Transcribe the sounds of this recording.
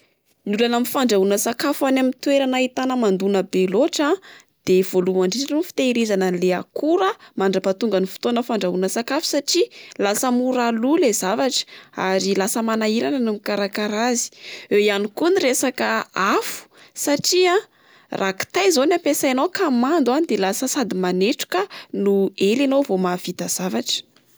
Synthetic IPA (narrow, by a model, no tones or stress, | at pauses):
nulanamifaɳɖ͡ʐaunəsakafanamint̪weɾanait̪anəmand̪unəbeloʈ͡ʂa | d̪̥ev̥oluaɳɖ͡ʐiʈ͡ʂanunfi̥t̪eiɾizanənleakuɾəmaɳɖ͡ʐapat̪uŋɡənifu̥t̪onəfaɳɖ͡ʐaɦunəsakafu̥saʈ͡ʂilasəmuɾalulezavaʈ͡ʂə̥a̰ɾilasəmanaiɾanənumikaɾakaɾazi̥ewianikuniresakəafu̥saʈ͡ʂia | rʔaki̥t̪ajzonapesaenowkamand̪uanid̪elasəsad̪imaneʈ͡ʂu̥kənuelanovomavit̪az̥avaʈ͡ʂə̥